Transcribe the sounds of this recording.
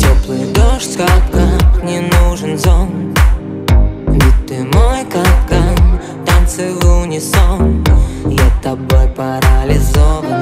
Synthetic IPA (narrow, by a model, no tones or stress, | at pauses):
tʲɔplˠɨjd̪oʂtʲkapkaknʲɪnuʐɨnzɔm | nʲit̪ːɨmojkaka | t̪ant̪sɨvunʲɪsomjat̪ɐbɔjpɐɾɐlʲɪzovən